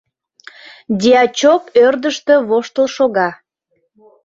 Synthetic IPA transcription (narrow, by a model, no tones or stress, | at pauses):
d̪ʲiɑt͡ɕokørd̪əʃt̪ø̆βoʃt̪əlʃoɣɑ